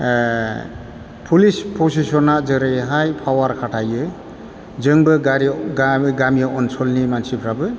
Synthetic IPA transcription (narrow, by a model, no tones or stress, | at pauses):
pʰulispʰosisɔnazɯɾɯjɦajpʰawaɾkʰaʈʰajɯ | zɯŋbɯɡaɾiɡɡamijaɔnsʰɔlnimansipʰɾabɯ